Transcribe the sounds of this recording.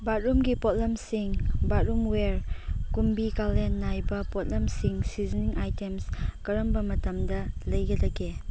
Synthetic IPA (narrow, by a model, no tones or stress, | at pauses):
bat̚ɾumɡipot̚lɐmsiŋbat̚ɾumweɾkumbikalenːajbɐpot̚lɐmsiŋsiziniŋʔajtemskɐɾɐmbɐmɐtɐmdɐlɐjɡɐdɐɡe